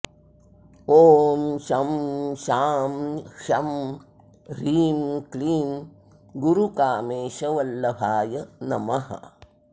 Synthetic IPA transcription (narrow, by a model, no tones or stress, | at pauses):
oːmʃɐmʃaːmʃɐm | ɾiːmkliːm | ɡuɾukaːmeːʃɐʋɐlːɐbʱaːjɐnɐmɐɦɐ̰